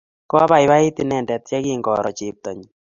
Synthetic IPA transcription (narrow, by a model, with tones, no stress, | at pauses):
kɔ˦a˦ba˨ɪ˦ba˦ɪ˦ti˨nɛ˨ndɛ˨t̚t͡ʃɛ˦kɪ˦ŋɡɔ̰˨ɾɔ̰˨t͡ʃɪ˨p̚t̪ɔ˨ɲi